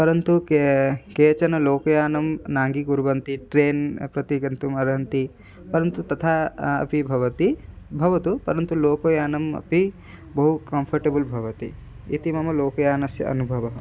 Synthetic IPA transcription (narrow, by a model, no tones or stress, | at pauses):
pɐɾɐnt̪ukkeːt͡ʃɐnɐloːkɐjaːnɐmnaːŋɡikuɾbɐnt̪iʈɾeːnpɾɐt̪iɡɐnt̪umɐɾɐɦɐnt̪i | pɐɾɐnt̪ut̪ɐt̪ʰaːɐ̰pibʱɐʋɐt̪ibʱɐʋɐt̪upɐɾɐnt̪uloːkojaːnɐmɐ̰pi | bɐɦukɐmpʰɐɾʈebulbʱɐʋɐt̪i | ḭt̪imɐmɐloːkɐjaːnɐsjɐ̰ɐ̰nubʱɐʋɐɦ